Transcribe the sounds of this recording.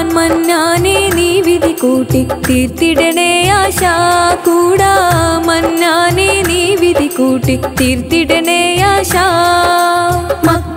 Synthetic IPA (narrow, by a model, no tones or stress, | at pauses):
nmɐnjaneniʋid̪ʱikuʈit̪iɾt̪iɖeneːjaːʃakuɽaːmɐnjaneniʋid̪ʱikuːʈit̪iɾt̪iɖeneːjaʃa | mɐ